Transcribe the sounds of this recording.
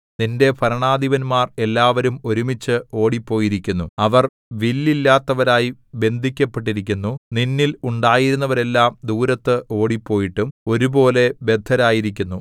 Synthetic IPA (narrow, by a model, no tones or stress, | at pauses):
ninde̞pʰɐɾɐɳaːd̪ʱiʋɐnmaːre̞lːaːʋɐɾumo̞ɾumit͡ɕːɨo̞ːɽipːo̞ːjiɾikʲːunːuɐʋɐr | ʋilːilːaːt̪ːɐʋɐɾaːjibe̞nd̪ʱikʲːɐpːeʈ̬ːiɾik̬ʲːunːuninːiluɳɖaːjiɾunːɐʋɐɾe̞lːaːmd̪uːɾɐt̪ːɨʔo̞ːɽipːo̞ːjiʈːumo̞ɾubo̞ːle̞be̞d̪ʱːɐɾaːjiɾikʲːunːu